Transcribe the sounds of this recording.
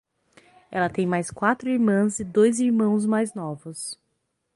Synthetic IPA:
ɛlɐt̪ẽj̃majskwat̪ɾʊiɾmɐ̃zɪd̪ojziɾmɐ̃w̃zmajznɔvʊs

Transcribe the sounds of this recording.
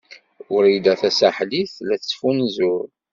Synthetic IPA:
ʊɾid̪æθæsaħliθlæθə̥sfunzʊɾ

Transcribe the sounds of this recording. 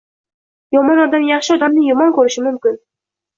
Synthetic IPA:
jɒmɒnɒd̪anjɑχʃɪɒd̪amnɪjʊmɒnkɵɾɪʃɪmʊmkʲɪn

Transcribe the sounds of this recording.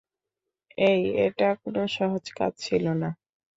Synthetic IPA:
ejḛʈakonoʃɔɦod͡ʑka̰dt͡ɕʰilona

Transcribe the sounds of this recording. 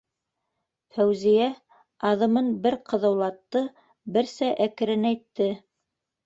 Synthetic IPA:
fæwzijæ | ɑðɤ̆mɤnbɘɾqʰɤ̆ðɤ̆wlˠɑt̪ːɤ | bɘ̆ɾsæʔækɘ̆ɾɘnæjt̪ːɘ

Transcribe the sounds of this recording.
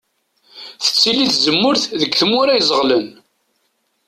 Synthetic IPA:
θə̥t͡sːiliθzəmːʊɾθðəɡθəmːʊɾæjzˤəʁlən

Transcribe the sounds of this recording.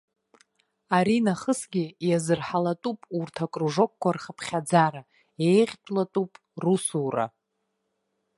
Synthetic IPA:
aɾinaχəsɡʲijazɨrħalatʼupʼurtʰakʼruʐo̞k̚ʷkʷarχəpʰχʲad͡zaɾa | ejʁʲtʷʼlatʼupʼ | rusura̰

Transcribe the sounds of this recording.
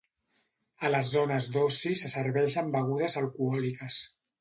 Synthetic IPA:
ələzːonəzd̪osisəsəɾβɛʃəmbəɣ̞uðəzəlˠkuɔlikəs

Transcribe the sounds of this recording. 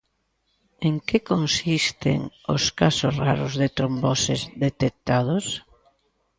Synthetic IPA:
eŋkekonsist̪ḛŋo̰skasosraɾʊzðet̪ɾombɔsezðet̪ek̚t̪að̞os

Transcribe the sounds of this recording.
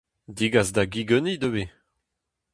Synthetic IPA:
diɡazdaɡiɡønid̪øwe

